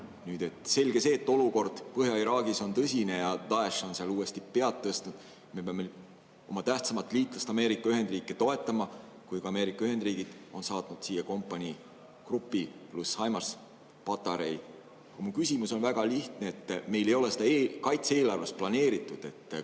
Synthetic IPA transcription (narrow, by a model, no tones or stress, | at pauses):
nyːd̪̥e̞t̪ːˑse̞lɡ̥e̞se̞ːt̪ːˑo̞luko̞rd̪̥pɤɦjɑiɾɑːɡiso̞nt̪ɤsʲine̞jɑd̪̥ɑeʃonseɑluːe̞st̪ipe̞ɑt̪ːɤst̪nud̪̥ | me̞peɑmːe | o̞mɑt̪æht̪sɑmɑt̪ːˑliːt̪ˑlɑst̪ɑme̞ːɾikːˑɑyɦe̞nd̪riːkˑːet̪o̞e̞t̪ːˑɑmɑ | kujɡ̥ɑɑme̞ːɾikˑːɑyɦe̞nd̪riːɡ̥id̪̥o̞nsɑːt̪nud̪̥siːjeko̞mpːˑɑnʲi | krupːˑiplushɑjmɑrs | pɑt̪ːˑɑɾej | ɑkɑmukysʲimuso̞nvæɡ̥ɑliht̪neet̪ːˑme̞jle̞jo̞lese̥d̪ɑekɑjt̪see̞ːlɑrvest̪plɑne̞ːɾit̪ːˑud̪̥e̞t̪ːˑ